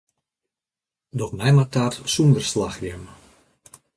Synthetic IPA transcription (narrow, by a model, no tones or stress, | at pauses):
dɔxmɛjmatatsundərslaxjəm